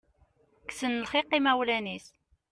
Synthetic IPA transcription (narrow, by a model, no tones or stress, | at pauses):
ksənəlχiqːimæwlænis